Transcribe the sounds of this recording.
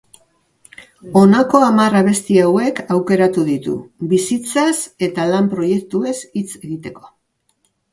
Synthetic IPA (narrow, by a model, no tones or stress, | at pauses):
o̞nako̞amaraβ̞e̞st̪iawe̞kawke̞ɾat̪uðit̪ṵβisit͡sase̞t̪alampɾo̞je̞k̚t̪ue̞sit͡se̞ɣit̪e̞ko̞̥